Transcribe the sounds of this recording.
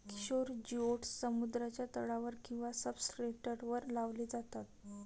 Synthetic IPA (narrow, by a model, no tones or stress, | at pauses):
ki̥ɕoɾd͡ʑioʈsːəmud̪ɾat͡ɕjat̪əɭaʋəɾkĩw̃ʋasəbsɾeʈəɾʋəɾlaʋled͡zat̪at̪̚